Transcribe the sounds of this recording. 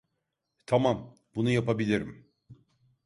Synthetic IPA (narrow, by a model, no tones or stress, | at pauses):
t̪ʰamam | b̥unujapabilʲiɾim